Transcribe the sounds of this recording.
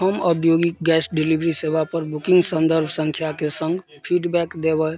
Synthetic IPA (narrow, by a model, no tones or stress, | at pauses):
əməb̪joɡik̚ɡɛsɖilibɾisebapəɾbukĩŋɡsənd̪əɾbʱsə̃ŋkʰjakesə̃ŋɡ | pʰiɖbɛkd̪ebə